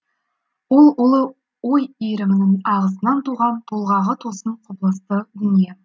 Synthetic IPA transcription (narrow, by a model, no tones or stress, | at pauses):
wolˠʊlˠə | wojijɾɪmɪnɪŋɑʁəs̬ənɑnt̪ʰuʁɑnbʰolˠʁɑʁət̪ʰosəɴqʰʊblˠəst̪əd̪ʏnije